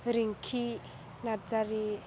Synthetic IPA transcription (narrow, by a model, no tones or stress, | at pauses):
ɾiŋkʰi | nad͡zaɾi